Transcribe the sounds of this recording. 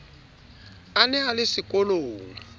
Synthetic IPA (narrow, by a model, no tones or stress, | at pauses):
anɛalɪsikʼɔloːŋi